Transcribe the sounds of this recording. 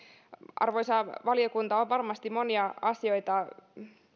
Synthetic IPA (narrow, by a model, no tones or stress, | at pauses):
ɑ̰rʋoisɑʋɑlijokunt̪ɑoʋʋɑrmɑst̪imoniɑɑsioit̪ɑ